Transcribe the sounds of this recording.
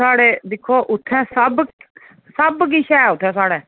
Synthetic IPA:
aːɽeːd̪ɪkʰːoːʔʊt̪ʰːɛ̃ːsəb | səbɡiʃɛːʊt̪ʰːɛ̃ːsaːɽeː

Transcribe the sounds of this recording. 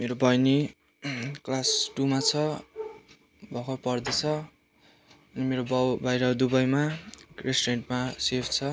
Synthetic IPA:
meɾobʱʌjni | klasʈumat͡sʰʌ | bʱʌkʰʌrpʌrd̪et͡sʰʌ | ʌnimeɾobʌwbʌjɾʌd̪ubʌjmaresʈreɳʈmasepʰt͡sʰʌ

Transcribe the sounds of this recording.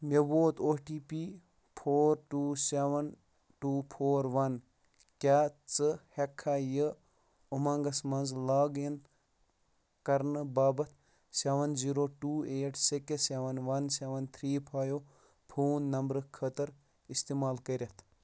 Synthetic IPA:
meboːt̪ʰoːʈiːpiː | pʰoːɾʈuːseʋɐn | ʈuːpʰoːɾʋɐn | kʲaːt͡sɨhekʰːaːjə | umɐŋɡɐsmɐnzlaːɡin | kɐɾnɨbaːbɐt̪̚ʰ | seʋɐnziːɾoːʈuːeːʈʰsekeseʋɐnʋɐnseʋɐnt̪ʰɾiːpʰaːjo | pʰuːnːɐmbɾɨkʰət̪ɐɾ | ist̪imaːlkəɾʲɐt̪ʰ

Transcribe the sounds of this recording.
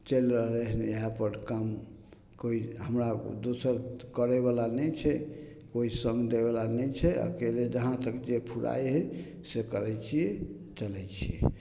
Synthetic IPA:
t͡ʃelɾəɦleɦneɦapəɾkam | koiɦəmɾad̪osəɾkəɾɛβalanɛt͡ʃʰɛ | koisə̃ŋɡd̪eβalanɛt͡ʃʰɛa̰keled͡ʒəɦãt̪əkd͡ʒepʰuɾa̰jɦɛ | sekəɾɛt͡ʃʰijɛ | t͡ʃəlɛt͡ʃʰijɛ̰

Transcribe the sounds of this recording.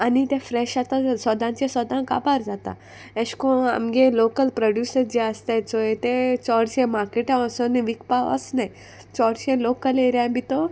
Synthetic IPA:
anit̪ẽfɾɛʃat̪asɔd̪ãnt͡ɕesɔd̪ʱãŋka̰paɾd͡zat̪a̰ | eʃkõa̰mɡelokəlpɾɔɖjuːsəɾd͡ʑeəst̪et͡soet̪et͡sɔɽɕẽmaɾkeʈãɔsɔnʋikpaɔ̰sna | t͡ʃɔɽɕẽlokəleɾjãbʱit̪o

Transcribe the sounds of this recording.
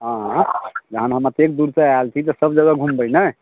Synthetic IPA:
ɦãd͡ʒəɦənɦəmət̪ekd̪uɾsəalt̪ʰit̪əsəbd͡ʒəɡaɡʱumbəjnə

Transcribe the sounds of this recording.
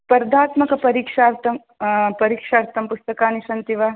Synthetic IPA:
pɐɾd̪aːt̪mɐkɐpɐɾiːkʂaːɾt̪ɐm | pɐɾiːkʂaːɾt̪ʰɐmpust̪ɐkaːniʃɐnt̪iʋaː

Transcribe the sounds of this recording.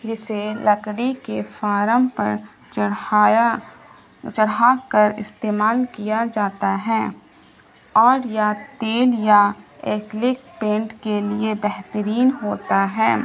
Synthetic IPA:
d͡ʒɪselɐkɽikefaːɾəmpɐ̰ɾ | t͡ʃɐɽakəɾɪ̰st̪eːmaːlkijad͡ʒaːt̪aɦɛː | ɔːɾjat̪eːljaeːklɪkpẽːɳʈkeliebɛɦt̪əɾiːnɦoːt̪aɦɛː

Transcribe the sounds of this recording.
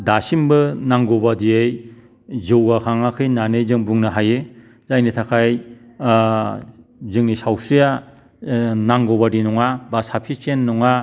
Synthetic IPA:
dasimbɯnaŋɡɔbadiej | zɯwɡakʰaŋakʰɯjnanɯjzɯŋbuŋnɯɦaje | zajnitʰakʰaj | zɯŋnisawsɯja | naŋɡɔbadinɔŋabasapʰit͡ʃenːɔŋa

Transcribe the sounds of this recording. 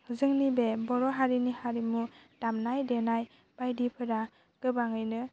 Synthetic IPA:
zɯŋnibebɔɾɔɦaɾinihaɾimudamnajdenaj | b̥ajdipʰɯɾa | ɡ̥ɯbaŋɯjnɯ

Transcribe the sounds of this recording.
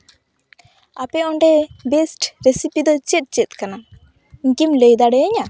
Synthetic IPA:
apɛɔɳɖɛbesʈɾesipid̪ɔt͡ʃɛt̪̚t͡ʃɛt̪̚ˀkana | iŋkimlejd̪aɖɛəɲa

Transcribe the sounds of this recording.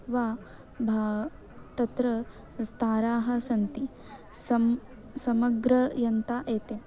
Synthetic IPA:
ʋaː | bʱaː | t̪ɐt̪ɾɐ | st̪ʰaːɾaːɦɐ̆sɐnt̪i | sɐm | sɐmɐɡɾɐjɐnt̪aːʔeːt̪e

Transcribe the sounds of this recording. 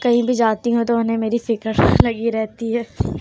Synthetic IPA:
kɐɦĩbʱid͡ʒaːt̪iɦũt̪oʊnɦẽmeːɾifɪkəɾlɐɡiɾɛɦt̪iɦɛː

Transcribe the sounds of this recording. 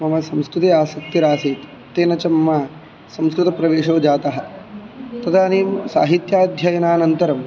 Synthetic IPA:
mɐmɐsɐmskɾut̪eaːsɐk̚t̪iɾaːsiːt̪ | t̪eːnɐt͡ʃɐmːaː | sɐmskɾut̪ɐpɾɐʋeːʂoːd͡ʒaːt̪ɐɦɐ̆ | t̪ɐt̪ʰaːneːmsa̰ːɦit̪jaːd̪ʱjaːjɐnaːnɐnt̪ɐɾɐm

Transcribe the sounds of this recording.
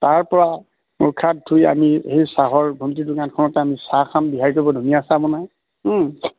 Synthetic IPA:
taɹpɔɹa | mukʰːat̚duja̰mihejsaɦɔɹbʱomtidukankʰɔnɔtɛamisakʰambiɦaɹitɔbɔdʱoniasaabɔnaj

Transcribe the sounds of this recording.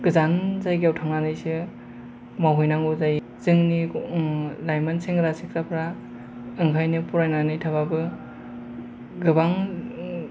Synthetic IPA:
ɡ̥ɯzanzajɡawtʰaŋnanɯjsɯ | mawɦujnaŋuzaj | z̥ɯŋni | lajmanseŋɾasik̚ɾapʰɾa | ɯŋkʰajnɯpuɾajnanɯjtʰaβabɯ | ɡɯbaŋ

